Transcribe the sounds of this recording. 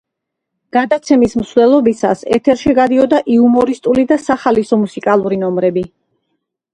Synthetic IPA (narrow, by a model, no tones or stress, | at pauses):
ɡ̥ad̪at̪sʰɛmismsvlɛlˠɔbisa̰sɛ̰t̪ʰɛɾʃiɡad̪iɔd̪aʔiumɔɾist̪ʼulid̪asaχalisɔmusikʼalˠuɾinɔmɾɛbi